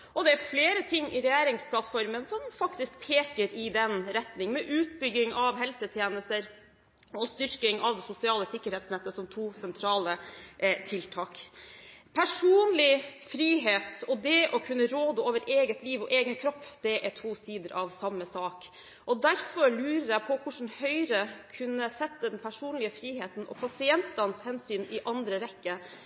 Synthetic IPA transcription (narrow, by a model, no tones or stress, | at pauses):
ʔɔd̪ɛæɾfleːɾət̪ʰɪŋːʔɪ̰ɾɛjæːɾɪŋspʰlɑt̪fɔɾmənsɔmfɑkt̪ɪsk̚pʰeːkəɾɪd̪ɛnɾɛt̪nɪŋəmɛʔʉːt̪̚bʏɡɪŋɑʋɦɛlsət̪ʰjeːnəst̪əɾ | ɔst̪ʏɾkɪŋɑʋd̪ɛsʊsɪɑːləsɪkːəɾɛːt̪snɛt̪ːəsɔmt̪ʰuːsɛnt̪ʰɾɑːlət̪ʰɪlt̪ʰɑːk | pʰæʂuːnlɪfɾiːɦeːt̪ɔd̪ɛʔɔkʰʉnːəɾoːd̪əoːʋəɾʔeːɡət̪liːʋɔʔeːɡənkʰɾɔpːd̪ɛʔɛt̪ʰuːsiːd̪əɾʔɑʋsɑmːəsɑːk | ʔɔd̪æɾfɔɾɭʉːɾəɾæɪpʰɔkʰʊʂn̩hœʏɾəkʰʉnːəsɛt̪ːəd̪ɛnpʰæʂuːnlɪəfɾiːheːt̪n̩ʔɔ̰pʰɑsɪɛnt̪ɑnəshɛnsyːnɪʔɑnd̪ɾəɾɛkːə